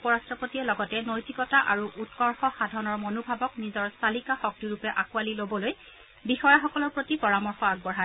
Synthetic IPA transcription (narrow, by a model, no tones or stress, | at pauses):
pɔɹastɹɔpotiɛlɔɡɔtɛnojtikɔtaʔaɹuʔutkɔɹxɔxadʱɔnɔɹmɔnubʱabɔknizɔɹstalikaxɔk̚tiɹupɛʔakualilobɔloj | bixɔjaxɔkɔlɔɹpɹotipɔɹamɔɹxɔaɡ̚bɔɹɦa